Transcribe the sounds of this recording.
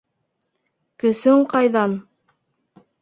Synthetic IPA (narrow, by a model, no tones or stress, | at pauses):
kɵ̆sɵɴqɑjðɑn